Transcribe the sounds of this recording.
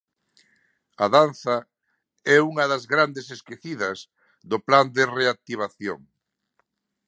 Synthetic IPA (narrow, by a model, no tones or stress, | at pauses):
ɐðanθɐ | ɛuŋɐðɐzɣɾand̪eseskeθiðɐs | ðʊpland̪ɪreak̚t̪iβ̞aθjo̰ŋ